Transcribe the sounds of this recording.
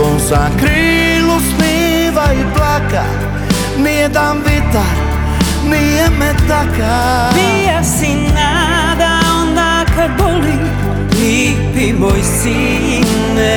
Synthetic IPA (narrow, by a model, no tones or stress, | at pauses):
õzakɾilufi | vaiblaka̰ | mid̪avit̪a | niamɛt̪aka | vi | asina | d̪aõnd̪a | kaboli | i | pimojsi | nɛ